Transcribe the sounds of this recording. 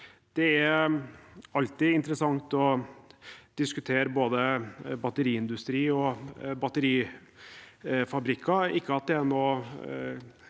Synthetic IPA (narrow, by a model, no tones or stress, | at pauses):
d̪̥ɛæɾ | ɑlt̪iːɪnt̪əɾəsɑŋt̪ɔ | d̪̥ɪskʉt̪ʰeːɾəboːd̪əbɑt̪əɾiːɪnd̪ʉst̪ɾiːɔbɑt̪əɾiː | fɑbɾɪkʰːɑɪkːəɑt̪̚d̪ɛænoː